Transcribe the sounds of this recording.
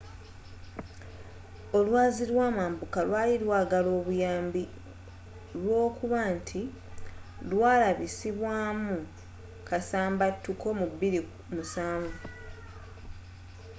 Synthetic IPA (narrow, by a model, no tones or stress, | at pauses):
o̞lwaːziɾwaːmaːmbukalwaːliɾwaːɡalo̞ːβujaːmbi | lwo̞ːkuβaːntʰi | lwaːlaβisiβwaːmu | kasaːmbatːuko̞mubːiɾi | musaːɱvu